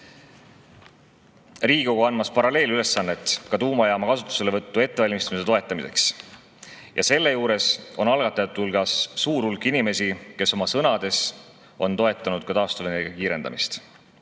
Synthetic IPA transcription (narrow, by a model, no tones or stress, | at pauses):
ri̥ːo̞ɡoɑnmɑspɑɾɑle̞ːlyle̞sːɑnːe̞t̪ːˑkɑt̪uːmɑjɑːmɑkɑsut̪ːˑu̥se̞le̞vɤt̪ːue̞t̪ːeɑlʲmist̪ɑmise̞t̪o̞e̞t̪ːˑɑmise̞̰ks | jʔɑ̰se̞lːe̞juːɾe̞so̞nɑlɡ̥ɑt̪ːˑɑjɑt̪ːˑulɡ̥ɑsːuːɾulkːˑinime̞sike̞so̞mɑsɤnɑd̪̥e̞s | o̞nt̪o̞e̞t̪ˑːɑnud̪̥̚kɑt̪ɑːst̪uveneɡɑkiːɾe̞nd̪ɑ̰mist̪